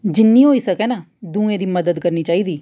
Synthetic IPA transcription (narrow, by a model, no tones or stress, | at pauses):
d͡ʒɪnːiːɦoːiːsəkɛːnaː | d̪ũːẽːd̪iːməd̪əd̪kəɾniːt͡ʃaːiːd̪iː